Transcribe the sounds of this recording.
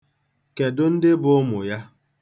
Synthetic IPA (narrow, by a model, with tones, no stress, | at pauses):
ke˨dʊ˦n̩˦dɪ˦bʊ˨˦mʊ˨ja˦